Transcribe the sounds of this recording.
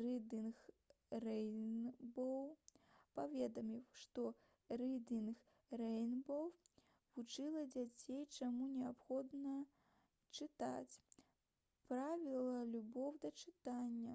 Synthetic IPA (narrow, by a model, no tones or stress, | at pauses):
rɨd̪inx | rɛjnbɔwpavʲɛd̪ɐmʲiwʂt̪ɔ | rɛd̪ʲinx | rɛjnbɔw | vut͡ʂɨlˠɐd͡zʲat͡sʲejt͡ʂamunʲɛapxɔd̪nɐ | t͡ʂɨt̪a̰t͡sʲ | pɾavʲilˠɐlʲubɔwd̪ɐt͡ʂɨt̪anʲːɐ